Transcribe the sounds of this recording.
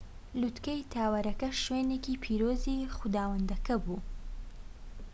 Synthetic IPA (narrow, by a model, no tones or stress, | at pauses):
lut̪kejt̪ʰaːwɐɾɐkɐʃwenekiːpʰiːɾoːzixud̪aːwɐnd̪ɐkɐbuː